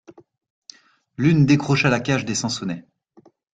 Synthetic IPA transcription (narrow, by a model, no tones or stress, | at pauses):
lynd̪ekχɔʃalakʲaʃd̪esɑ̃sɔnɛ